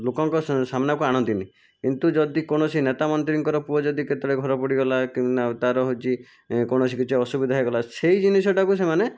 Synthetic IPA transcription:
lokɔŋkɔsamnakuaɽ̃ɔt̪ini | kint̪ud͡ʒɔd̪ikɔɽ̃ɔsinet̪amɔnt̪ɾiŋkɔɾɔpuɔd͡ʒɔd̪iket̪ɔɽeɡʱɔɾɔpɔɽiɡɔlakiat̪aɾɔɦot͡ʃʰi | kɔɽ̃ɔs̬ikit͡ʃʰɔɔsubid̪ʱaɦjɡɔlaseid͡ʒinisɔʈakus̬emane

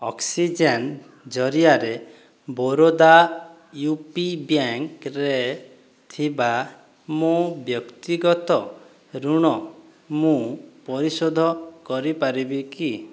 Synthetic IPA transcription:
ɔksid͡ʒen | d͡ʒɔɾiaɾe | boɾod̪a | jupibjaŋkɾe | t̪ʰiba | mũbjɔkt̪iɡɔt̪ɔ | ɾuɽ̃ɔ | mũpɔɾisod̪ʱɔkɔɾipaɾibiki

